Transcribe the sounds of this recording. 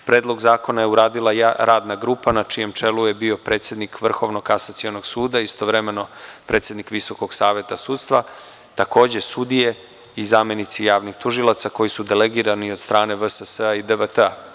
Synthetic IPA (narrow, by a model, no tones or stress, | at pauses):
pɾeːd̪lˠo̞ɡzaːko̞naje̞uɾaːd̪ilˠajaɾaːd̪naɡɾuːpanat͡ʃije̞mt͡ʃe̞luje̞bio̞pɾe̞ːt̪sjed̪nikʋr̩xo̞ʋno̞kasat̪sionoɡsuːd̪aist̪o̞ʋɾemeno̞pɾe̞t̪sje̞d̪nikʋiso̞ko̞ɡ̥saːʋje̞t̪asuːt̪st̪vʋa | t̪ako̞ːd͡ʑe̞sud̪ije̞ | izamjenit̪sijaːʋnixt̪uʒilˠat̪sako̞jisud̪ele̞ɡiɾanio̞d̪st̪ɾaːne̞ʋəsəsəaid̪eʋət̪əa